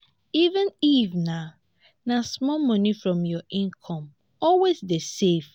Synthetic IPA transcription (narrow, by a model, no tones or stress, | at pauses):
ivə̃nivna | nasmɔmɔnifɹɔ̃mjɔʔĩnkʰɔ̃m | ɔlwesdesef